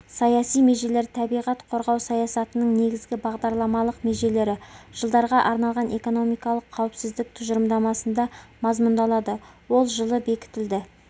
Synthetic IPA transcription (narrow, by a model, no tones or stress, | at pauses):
sɑjɑsijme̞ʒe̞le̞ɾt̪ʰɑbijʁɑt̪qʰo̞ɾʁɑwsɑjɑsɑt̪ənəɴne̞ɡʲɪzɡʲɪbɑʁd̪ɑɾlˠɑmɑlˠəqme̞ʒe̞le̞ɾɪʒ̥əlˠd̪ɑɾʁɑʔɑɾnɑlˠʁɑnʔe̞ko̞no̞mijkɑlˠəqʰːɑwɪpsɪzd̪ɪk̚t̪ʰʊʒəɾəmd̪ɑmɑsənd̪ɑmɑzmʊnd̪ɑlˠɑd̪ə | wo̞lˠʒəlˠəbe̞kʲɪ̥t̪ɪld̪ɪ